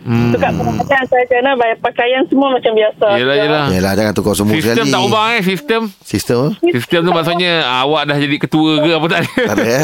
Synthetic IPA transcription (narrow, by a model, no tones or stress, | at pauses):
sukaʔpənamat̪ansad͡ʒaanabajapakajansəmuamat͡ʃambiasajəlajəlajəlad͡ʒaŋant̪ukasəmusisəkalt̪əmit̪aubaŋes̬ist̪əmsist̪əmsist̪əmt̪umaʔsut̪̚ɲəawaʔdahd͡ʒadikət̪uəkəap̬ət̪aʔdəa